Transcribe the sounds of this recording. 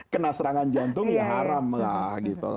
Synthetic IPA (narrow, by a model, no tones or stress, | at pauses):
kənasəɾaŋand͡ʒant̪ʊŋjaɦaɾamlahɡit̪ṵla̰